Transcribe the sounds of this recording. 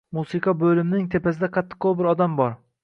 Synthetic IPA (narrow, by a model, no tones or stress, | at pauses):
musɨkʰɑbɵlɪmnɪŋt̪ʰepʰasɪd̪aqʰɑt̪ʰːɪ̥qʰːowbɪɾɒd̪ambɒɾ